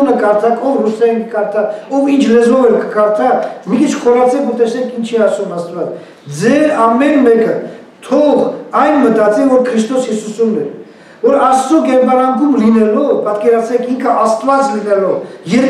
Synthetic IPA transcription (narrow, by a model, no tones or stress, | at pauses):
nəkɑɾt̪ʰɑkʰɔvrusɛikəkɑɾt̪ʰɑɔvint͡ʃʰlɛzvɔvɛlkʰəkɑɾt̪ʰɑmikʰit͡ʃʰχɔɾɑt͡sʰɛkʰuɾt̪ɛsnɛkʰint͡ʃʰiɑsumɑst̪vɑt͡s | d͡zɛɾɑmɛnmɛkə | t̪ʰɔʁɑjnmət̪ɑt͡sivɔɾkʰɾist̪ɔshisusumnɛɾ | vɔɾɑst͡sɔkɛɾbɑɾɑŋkumlinɛlɔpɑt̪kɛɾɑt͡sʰɾɛkʰiŋkʰəʔɑst̪vɑt͡slinɛlɔvjɛɾ